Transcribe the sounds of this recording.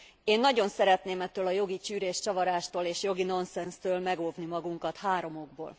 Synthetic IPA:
eːnːɒɟo̞nsɛɾɛt̪neːmɛt̪ːøːlɒjo̞ɡit͡ʃyːɾeːʃt͡ʃɒvɒɾaːʃt̪oːleːʃjo̞ɡino̞nsɛnst̪øːlmɛɡoːvnimɒɡuŋkɒt̪haːɾo̞mo̞ɡ̚bo̰ːl

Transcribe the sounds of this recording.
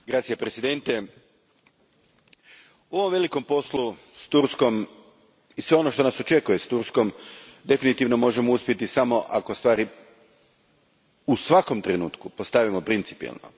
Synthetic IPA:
ɡɾat̪sijepɾesid̪e̞nt̪e | uo̞ʋomʋe̞liko̞mpo̞slu | st̪uɾsko̞m | isʋe̞o̞no̞ʃt̪o̞nasot͡ʃe̞kuje̞st̪uɾsko̞md̪e̞finit̪iʋno̞mo̞ʒemouspʲje̞t̪isamo̞ʔako̞st̪ʋaːɾi | usʋako̞mt̪ɾe̞nṵːt̪kupo̞st̪aʋimo̞pɾint̪si̥pḭḭlˠno̰

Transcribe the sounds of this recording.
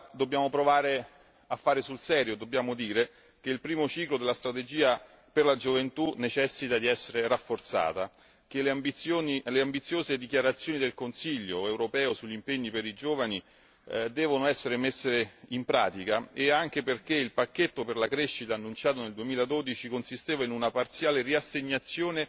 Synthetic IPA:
d̪obːjaːmopɾovaːɾe | afːaːɾesulsɛːɾjod̪objaːmod̪iːɾe | k̟eilpɾiːmot͡ʃiːklod̪elast̪ɾat̪ed͡ʒiːa | perlad͡ʒovent̪unet͡ʃɛsːit̪ad̪iɛsːeɾerafːort̪sa̰ːt̪a | k̟elbijoːnileambit̪sːjoːzed̪ikjaɾat̪sːjoːnid̪elkonsiʎːoɛwɾopɛːosuʎːimpeɲːipeɾid͡ʒoːvani | d̪ɛːvonoɛsːeɾemesːeimpɾa̰ːt̪ikaeaŋk̟eperk̟eilpakːet̪ːoperlakɾeʃːit̪aːnːunt͡ʃaːt̪oneld̪uemiːlad̪od̪it͡ʃikonsist̪eːvainunapart̪sjaːleriasːeɲːat̪sːjoːne

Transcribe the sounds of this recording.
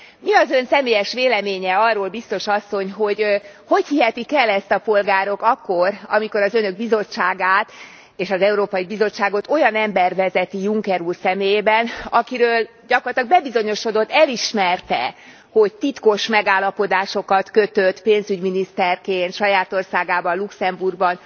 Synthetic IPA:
miɒzønsɛmeːjɛʃʋeːlɛmeːɲɛɒrːoːlbist̪o̞ʃɒsːo̞ɲɦo̞ɟ | ho̞chiɦɛt̪ikɛlːɛst̪ɒpo̞lɡaːɾo̞kɒkːorɒ̰miko̞ɾɒzønø̞ɡ̚bizo̞t͡ʃːaːɡaːt̪ | eːʃɒzɛuɾoːpɒjibizo̞t͡ʃːaːɡo̞t̪o̞jɒnɛmbɛrvɛzɛt̪ijuŋkɛɾuːrsɛmeːjeːbɛnɒkiɾøːl | ɟɒkorlt̪lɒɡ̚bɛbizo̞ɲo̞ʃo̞d̪o̞t̪ːɛliʃmɛrt̪ɛ̰ | ho̞ɟ̚t̪it̪ko̞ʃmɛɡaːlːɒpo̞d̪aːʃo̞kɒt̪køt̪øt̪peːnzyɟminist̪ɛrkeːnt̪ʃɒjaːt̪o̞rsaːɡaːbɒnluksɛmburɡ̚bɒn

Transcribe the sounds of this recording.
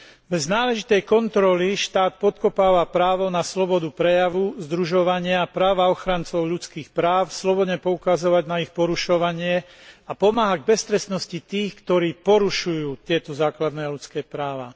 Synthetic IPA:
bɛznaːlɛʒit̪ɛjkɔnt̪ɾɔliʃt̪aːt̪pɔt̪̚kɔpaːʋapɾaːʋɔnaslɔbɔd̪upɾɛjaʋuzd̪ɾuʒɔʋaɲɪapɾaːʋaɔxɾant͡sɔʊʎut͡skiːxpɾaːʊslɔbɔd̪ɲɛpɔukazɔʋaɟnaixpɔɾuʃɔʋaɲɪɛ | apɔmaːɦaɡ̚bɛst̪ɾɛsnɔscit̪iːxkt̪ɔɾiːpɔɾuʃujuːt̪ɪɛt̪ɔzaːklad̪nɛːaʎut͡skɛːpɾaːʋa̰ː

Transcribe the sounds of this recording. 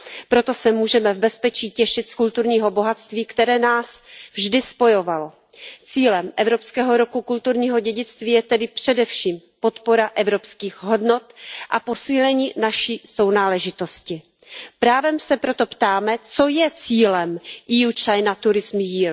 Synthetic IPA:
pɾo̞t̪o̞sɛmuːʒɛmɛvbɛspɛt͡ʃiːcɛʃɪt̪skult̪uɾɲiːɦo̞bo̞ɦat̪t͡st̪viːkt̪ɛɾɛːnaːsvʒdɪspo̞jo̞valo̞ | t͡siːlɛmʔɛvɾo̞pskɛːɦo̞ɾokukult̪uɾɲiːɦo̞ɟɛɟɪt͡st̪viːjɛt̪ɛdɪpr̝̥ɛdɛfʃiːm | po̞t̪po̞ɾaʔɛvɾopskiːxɦo̞dno̞t̪ʔapo̞siːlɛɲiːnaʃiːso̞wnaːlɛʒɪt̪o̞scɪ | pɾaːvɛmsɛpɾo̞t̪o̞pt̪aːmɛt͡so̞jɛt͡siːlɛmʔijut͡ʃajnat̪uɾɪzmjiːl

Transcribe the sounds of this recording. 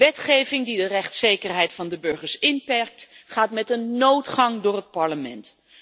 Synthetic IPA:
ɛtχejvɪŋdidərɛχtsejkərɦɛjtfɑndəbɵɹχəɹsɪnpɛɹk̚tχaːtmɛtənːowtχɑŋdʊːɹɦət̚pɑɹləmɛ̰nt

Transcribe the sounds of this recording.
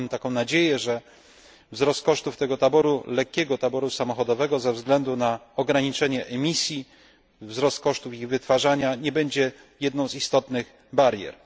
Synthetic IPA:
t̪akɔ̃w̃nad͡ʑejɛʐɛ | vzɾɔst̪̚kɔʂt̪uft̪ɛɡɔt̪abɔɾulɛkʲːɛɡɔt̪abɔɾusamɔxɔd̪ɔvɛɡɔzɛvzɡlɛnd̪unaɔɡɾaɲit͡ʂɛɲɛʔɛmʲisʲji | vzɾɔst̪̚kɔʂt̪ufiɣvɘt̪faʐaɲaɲɛbɛɲd͡ʑɛ | jɛd̪nɔ̃w̃zist̪ɔt̪nɘɣ | baɾjɛ̰ɾ

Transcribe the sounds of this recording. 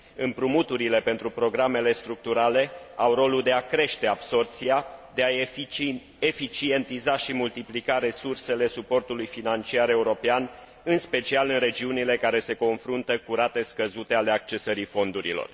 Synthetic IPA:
ɨmpɾumut̪uɾile̞pe̞nt̪ɾupɾo̞ɡɾame̞le̞st̪ɾuk̚t̪uɾale̞awɾo̞lud̪e̞akɾe̞ʃt̪e̞abso̞rt̪siad̪e̞a | e̞fit͡ʃie̞nt̪izaʃimult̪iplikaɾe̞surse̞le̞supo̞rt̪ulujfinant͡ʃiaɾe̞uɾo̞pean | ɨnspe̞t͡ʃialɨnre̞d͡ʒiunile̞kaɾe̞se̞ko̞nfɾunt̪əkuɾat̪e̞skəzut̪e̞ale̞ak̚t͡ʃe̞səɾifo̞nd̪uɾḭlo̰r

